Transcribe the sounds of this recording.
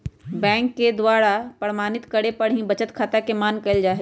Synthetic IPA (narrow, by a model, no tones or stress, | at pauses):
bɛ̃ːŋkːed̪waːɽapɾəɾmaːnɪt̪kəɽepəɽ̤ɦĩbət͡ʃət̪kʰaːt̪akemaːnkɐɪld͡ʒaːɦ